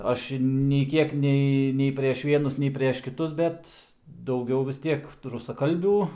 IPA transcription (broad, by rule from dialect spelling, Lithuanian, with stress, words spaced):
ˈɐʃ ɪ nʲɛɪ ˈkʲiɛk ˈnʲɛɪ nʲɛɪ pʲrʲiɛʃ ˈʋʲiɛnʊs nʲɛɪ pʲrʲiɛʃ kʲɪˈtʊs ˈbʲɛt dɐʊˈɡʲɛʊ ʋʲɪs ˈtʲiɛk rʊsɐˈkɐlʲbʲuː